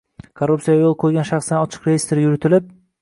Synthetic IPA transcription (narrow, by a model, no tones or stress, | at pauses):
kʰoɾːup̪sijajolˠqʰojɡʲanʃɑχsɪnɒt͡ʃʰɨ̥qɾejist̪eɾɪjʊɾɪt̪ʰɪlɪp̚